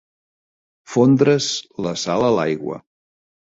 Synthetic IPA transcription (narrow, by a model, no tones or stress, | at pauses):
fond̪ɾəzləsaləla̰jɣwə̰